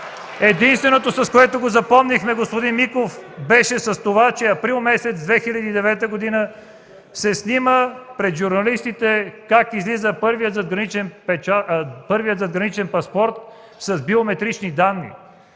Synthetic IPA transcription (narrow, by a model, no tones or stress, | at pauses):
ɛd̪inst̪vɛnot̪osɐskoɛt̪oɡozɐpɔmnixmɛɡospod̪inmikofbɛʃɛsɐst̪ovat͡ʃɛɐpɾilˠmɛsɛt̪zd̪vɛxilʲɐd̪iːd̪ɛvɛt̪əɡod̪inə | sɛsniməpɾɛd̪ʒuɾnɐlist̪it̪ɛkakizlizəpɤɾviət̪zɐd̪ɡɾɐnit͡ʃɛnpɛt͡ʃapɤɾviət̪zɐd̪ɡɾɐnit͡ʃɛnpɐspɔɾt̪̚ | sɐzbiomɛt̪ɾit͡ʃnid̪anːḭ